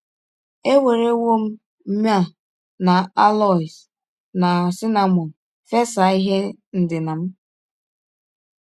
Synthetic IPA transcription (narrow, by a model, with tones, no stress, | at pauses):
e˦we˨ɾe˦wo˦m̩˦ | m̩˦m˦a˦ | na˨a˦lɔ˦˨i˨s | na˨sɪ˦na˨mɔ˨n̩ | fe˦sa˨˦i˦ɦe˦n̩˨dɪ˨na˨m̩˦